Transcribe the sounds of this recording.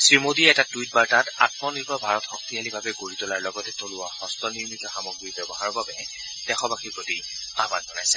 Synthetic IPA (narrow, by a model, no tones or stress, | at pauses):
sɹimodiɛtatujt̚baɹtatatmɔniɹkɔbʱaɹɔtxɔk̚tialibʱabɛɡoɹitɔlaɹlɔɡɔtɛtolʊwaxɔstɔniɹmitɔxamɔɡɹibɛbɔɦaɹɔbabɛ | d̥ɛxɔbaxiɹpɹoti | aband͡ʒɔnajsɛ